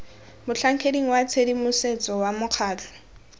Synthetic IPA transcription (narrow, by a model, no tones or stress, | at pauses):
mʊɬʰaŋ̩kʰediŋ̩wat͡sʰedimʊset͡sɔwamʊq͡χʰaːt͡ɬʰɔ̥